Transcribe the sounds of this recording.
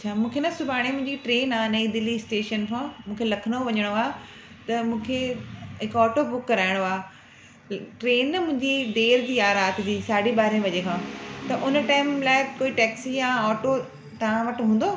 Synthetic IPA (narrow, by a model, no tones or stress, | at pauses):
ɐt͡ɕʰaːmũːkʰenɐsʊbʱaːɽ̃ẽmʊ̃ɦɪ̃d͡ʑiʈɾeːnaːnɐid̪ɪlːisʈeːʃənkʰãːmũːkʰelɐkʰəɽ̃oʋɐɲəɽ̃oaː | t̪ɐmũːkʰeɦɪkɔːʈobʊkːɐɾaːɪɽ̃oaː | ʈɾeːnːmʊ̃ɦɪ̃ɲd͡ʑid̪eːɾd͡ʑiːaːɾaːt̪ʰɪd͡ʑiːsaːɖiɓaːɾẽʋɐd͡ʑekʰãːt̪ɐʔʊnʈaːɪmlaːɪkoːiʈɛːksijãɔːʈo | t̪ɐʋãʋɐʈɦũːn̆d̪oː